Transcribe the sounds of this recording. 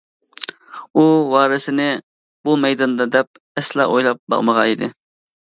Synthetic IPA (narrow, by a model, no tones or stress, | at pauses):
uwɑːɾɪsɪnɪ | b̥umɛjd̪ɑnd̪ɑd̪ɛp̚ | ɛslˠɑ̰ʔojlˠɑp̚bɑ̰ʁməʁɑid̪ɪ